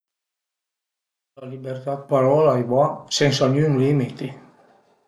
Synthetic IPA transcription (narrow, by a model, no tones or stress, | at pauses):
lalibert̪at̪̚paɾɔːlaevasɛnsanjuŋlimit̪i